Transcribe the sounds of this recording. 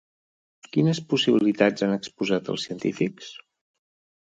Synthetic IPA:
kinəspusiβiilit̪ad͡zanəkspuzat̪ə̰lˠsiənt̪ifiks

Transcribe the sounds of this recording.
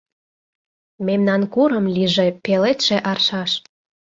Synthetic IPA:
memnɑnkuɾəmliʒepelet̪ʃeʔɑrʃɑʃ

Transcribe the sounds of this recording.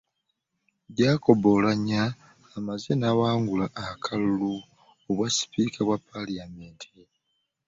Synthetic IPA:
ɟaːko̞βo̞laɲaː | mazenawaːŋɡulaʔːkʰalulu | oβwasi̥piːkʰaβwapːaliameːntʰe

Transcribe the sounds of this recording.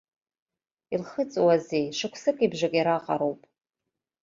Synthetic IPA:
ilχət͡sʼwazejʂɨkʷʰsɨkʼibʒakʼjiɾaqʼaɾowpʼ

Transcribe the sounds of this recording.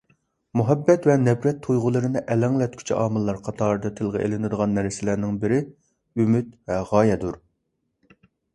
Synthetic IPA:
muɦɛbːɛt̪vɛnɛbɾɛt̪ʰːujʁʊlˠɨɾɨnɨʔɛlæŋlɛt̪̚kʲʰy̥t͡ʃʰḭʔɑːmɨlˠːɑɾqʰɑt̪ʰɑːɾɨd̪ɑt̪ʰɪlˠʁə̰ʔḛlɪnɪd̪əʁɑnːæɾsɪlæɾnɪŋbɪɾɪ | ymyt̪vɛʁɑːjɛd̪uɾ

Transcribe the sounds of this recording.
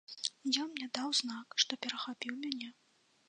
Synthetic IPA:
jannʲɛd̪awznakʂt̪ɔpʲɛɾɐxapʲiwmʲanʲɛ

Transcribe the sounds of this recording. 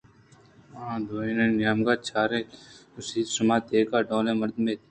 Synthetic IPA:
d̪oːĩnẽːnɪjaːmɡaːt͡ʃʰaːɾẽːʊsiːd̪sʊmaːt̪eːkaːɖõːlẽːmɐɾd̪meːt̪ː

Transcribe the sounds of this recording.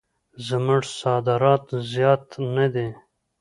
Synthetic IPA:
zəməʐsɑːd̪əɾɑːt̪zjɑːt̪nɐd̪e

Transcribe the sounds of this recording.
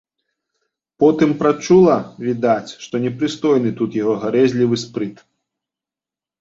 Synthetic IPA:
pɔt̪ɨmpɾat͡ʂulˠɐvʲid̪at͡sʲʂt̪ɔnʲɛpɾɨst̪ɔjnɨt̪ut̪jaɣɔɣaɾɛzʲlʲivɨspɾɨt̪

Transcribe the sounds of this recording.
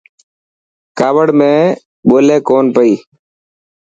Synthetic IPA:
kaːʋəɽmẽː | ɓoːleːkoːnpəiː

